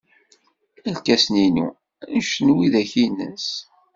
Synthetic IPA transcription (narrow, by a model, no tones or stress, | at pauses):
ælkæsninṵ | nʃnwiðæçinːə̰s